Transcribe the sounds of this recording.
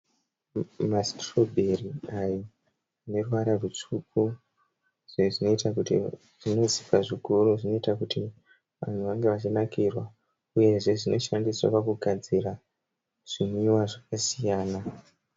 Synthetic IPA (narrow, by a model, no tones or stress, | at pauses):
mastro̞bʱeriajo | ne̞ruwaɾarut͡ʂuku | ʐiʐino̞itakutḭ | ʐ̥ino̞zi̥kaʐikuɾuʐino̞itakuti | ʋa̰n̤uʋaŋɡe̞ʋat͡ʃinakirwa | uje̞ʐe̞ʐino̞ʃandiswa̰pakuɡʱad͡zira | ʐ̥inuiwaʐakasijaːna